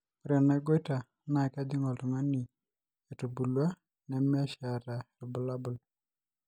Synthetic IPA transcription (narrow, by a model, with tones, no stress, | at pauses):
pɾɛ˨na˨ɡo˦jta˨ | na˨ka˦di˦ŋɔ˨tɔ˨ŋa˦ni˨ | e˨tu˨bu˨lwa˦ | nɛ˨mɪ˦a˦ʃa˨ɾa˨lbʊ˨la˦bʊ˨l